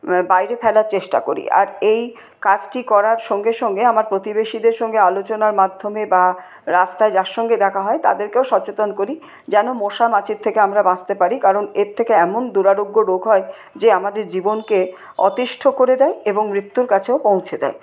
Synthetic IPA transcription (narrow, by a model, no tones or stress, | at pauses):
bajɾepʰɛlaɾt͡ɕeʃʈa̰koɾḭʔa̰ɾej | kad͡ʑʈikɔɾaɾʃɔŋɡeʃɔŋɡeamaɾpɾot̪ibeʃid̪eɾʃɔŋɡealot͡ɕonaɾmad̪ʱːomeba | ɾast̪aed͡ʑaɾʃɔŋɡed̪ɛkʰaɦɔet̪a̰d̪eɾkeoʃɔt͡ɕet̪onkoɾi | d͡ʑɛnomoʃamat͡ɕʰiɾt̪ʰekeamɾabãst̪epaɾikaɾoneɾt̪ʰekeɛmond̪uɾaɾoɡːoɾoɡʱɦɔe | d͡ʑeamad̪eɾd͡ʑibonke | ɔ̰t̪iʃʈʰokoɾed̪ɛeeboŋmɾit̪ːuɾkat͡ɕʰeopõw̃t͡ɕʰed̪ɛ̰e